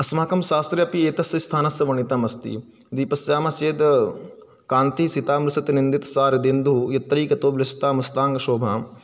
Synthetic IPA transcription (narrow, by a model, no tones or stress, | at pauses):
ɐsmaːkɐmʃaːst̪ɾɐɐpieːt̪ɐsjɐst̪ʰaːnɐsjɐʋɐɳit̪amɐst̪ḭ | d̪iːpɐsjaːmɐst͡ʃeːd̪ | kaːnt̪isit̪aːmɾusɐt̪inind̪it̪saːɾɐd̪ind̪ujɐt̪ːɾiːkɐt̪oːblɐst̪aːmɐst̪aːŋɡɐʃoːbʱa̰ːm